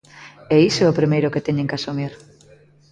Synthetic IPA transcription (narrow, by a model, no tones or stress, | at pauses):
ɛisoɛopɾimejɾʊket̪ɛɲẽŋkasomiɾ